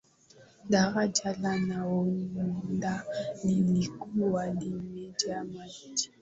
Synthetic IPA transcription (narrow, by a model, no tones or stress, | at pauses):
daɣad͡ʒalanawɔɲndanilikuwadimɛd͡ʒamaid͡ʒi̥